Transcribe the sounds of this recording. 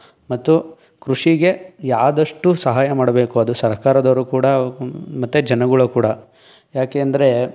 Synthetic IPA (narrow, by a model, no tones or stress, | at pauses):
mɐt̪ːu | kɾuʂiɡe̞jaːd̪ɐʂʈusɐɦaːjɐmaːɽɐbe̞ːkuɐd̪usɐɾkaːɾɐd̪ɐʋɾukuːɽɐmɐt̪ːud͡ʒɐnɐɡuɭukuːɽɐ | jaːkeːɐnd̪ɐɾe̞